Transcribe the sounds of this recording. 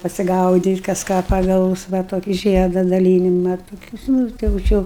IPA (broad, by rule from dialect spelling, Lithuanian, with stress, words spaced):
pɐsʲɪɡɐʊdʲiːtʲ kɐs ˈkɑː pɐˈɡɐʊs ʋɐ ˈtoːkʲɪ ˈʒʲiɛdɐ dɐˈlʲiːnʲɪmɐ toːˈkʲʊs ˈnuː tɐɪ jɛʊ ˈt͡ʃʲɪ jɛʊ